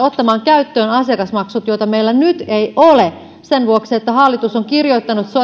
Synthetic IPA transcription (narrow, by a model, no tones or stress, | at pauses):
ot̪ːɑmɑːŋkæyt̪ːøːnɑsiɑkɑsmɑksut̪joit̪ɑmeilːænyt̪eiʔole | senʋuoksiet̪ːæhɑlːit̪usoŋkirjo̞it̪ːɑnut̪so